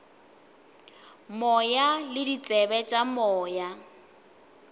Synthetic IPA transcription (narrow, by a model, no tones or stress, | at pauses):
mɔjalɪdit͡sʼɛbɛt͡ʃʼamɔːja